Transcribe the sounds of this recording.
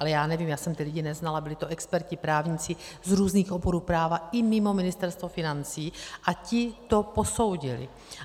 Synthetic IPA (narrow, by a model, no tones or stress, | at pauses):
ʔalɛjaːnɛviːmjaːsɛmt̪ɪlɪɟɪnɛznalabɪlɪt̪oʔɛkspɛɾcɪpɾaːvɲɪt͡sɪzɾuːzniːxʔo̞boɾuːpɾaːvaɪmɪmo̞mɪnɪst̪ɛɾst̪vofɪnant͡siːʔacɪt̪o̞po̞so̞wɟɪlɪ̰